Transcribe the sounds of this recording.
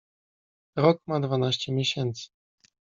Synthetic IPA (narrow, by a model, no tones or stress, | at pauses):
ɾɔk̚mad̪vanaɕt͡ɕɛmʲjeɕɛnt̪sɘ̥